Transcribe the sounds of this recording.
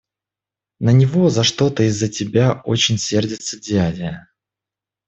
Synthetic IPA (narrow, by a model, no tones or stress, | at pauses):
nənʲɪvo̞zɐʂt̪o̞t̪əɪzːətʲɪbʲao̞t͡ɕɪnʲsʲe̞rdʲɪt̪sədʲadʲɪjə